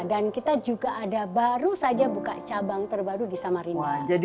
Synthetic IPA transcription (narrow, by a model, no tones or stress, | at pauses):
dankit̪ad͡ʒuɡaʔadabaɾusad͡ʒabuka̰t͡ʃabaŋt̪ərbaɾudisamaɾinid͡ʒad